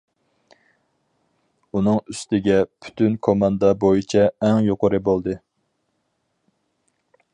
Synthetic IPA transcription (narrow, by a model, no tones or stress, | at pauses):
unɨŋyst̪ɪɡʲɛpʰy̥t̪ʰynkʰomɑnd̪ɑbojit͡ʃʰɛɛŋjoqʊɾɨbolˠd̪ɨ